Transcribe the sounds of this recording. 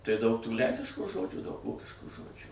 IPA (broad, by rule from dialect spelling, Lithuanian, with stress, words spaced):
tɐɪ dɐʊk tuː ˈlʲɛŋʲkʲɪʃkuː ˈʒoːd͡ʒʲuː dɐʊk ˈʋoːkʲɪʃkuː ˈʒoːd͡ʒʲuː